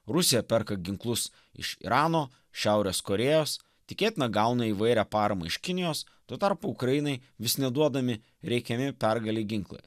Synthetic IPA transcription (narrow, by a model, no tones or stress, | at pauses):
ɾʊsʲɪjɛpʲɛɾkɐɡʲɪŋklˠʊs | ɪ̰ʃḭɾɑːnoː | ʃʲæʊɾʲeːskoɾʲeːjoːs | t̪ʲɪkʲeːt̪ʲɪnɐɡɐˑʊnɐiʋɐɪɾʲæːpɑːɾɐmɐ̰ɪʃkʲɪnʲɪjoːs | t̪uɔt̪ɐɾpʊʊkɾɐjɪnɐɪʋʲɪsnʲɛd̪uɔd̪ɐmʲɪ | ɾʲɛɪkʲɛmʲɪpʲɛɾɡɐlʲiɡʲɪŋklˠɐ̰ɪ